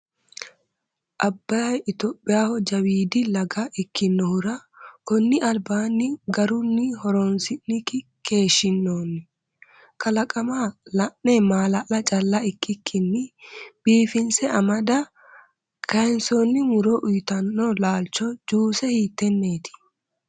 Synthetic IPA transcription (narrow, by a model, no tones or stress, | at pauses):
ʔɐbːaːjɪt̪ɔːpʼːɪjaːhɔd͡ʒɐwiːd̪ɪlɐɡaʔɪkːɪnːɔhʊɾɐ | kɔnːɪʔɐlbaːnːɪɡɐɾʊnːɪhɔɾɔnsɪnːɪkɪ | kʰe̞ːʃɪnːoːnːɪ | kɐlɐkʼɐmalɐʔːɛmaːlɐlɐt͡ʃʼɐlːɐɪkːɪkʰːɪnːɪb̥iːfɪnsɛɐmɐd̪ɐ | kʰɐɛnsɔnːɪmʊɾoʔʊjt̪ɐnːɔlaːlt͡ʃɔd͡ʒuːsɛhiːt̪ːɛnːeːt̪ɪ̥